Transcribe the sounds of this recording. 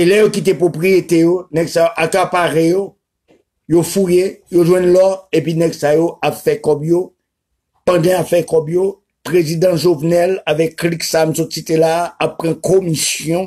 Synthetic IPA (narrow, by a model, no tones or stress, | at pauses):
elɛjokit̪̬epʁopʁijet̪ejonɛɡsajoʔakapaʁejo | jofujejoʒwɛ̃nlɔepinɛɡsajoapfɛkɔbjo | pãd̪ãapfɛkɔbjo | pʁezid̪ãʒovnɛlavɛkːliksam̩sɔsit̪elaːpːʁãkomisjɔ̃